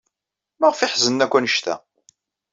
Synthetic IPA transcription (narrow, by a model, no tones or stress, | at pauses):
maʁfɪħzənːækʷːænəʃt̪æ̰